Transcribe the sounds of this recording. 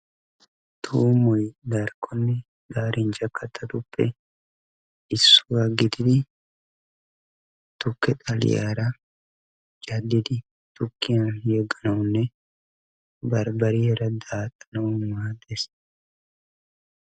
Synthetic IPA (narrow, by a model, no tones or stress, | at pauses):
t̪ʰuːmɔjɡ̪ɐɾkːɔnːɛ | ɡaːɾʔɪnd͡ʒɐkːɐt̪ːɐt̪ʊpːɛ | ɪsːʊɐɡɪd̪ɪd̪ɪ | t̪ʊkːɛt̪ʼɐl̰ja̰ːɾɐ | d͡ʒɐd̪ɪd̪ɪ | t̪ʊkːɪjɐnjɛɡːɐnɐwʊnːɛ | bɐɾbɐɾihɛɾɐd̪aːt̪ːɐ̥nɐwʊmaːd̪ɛs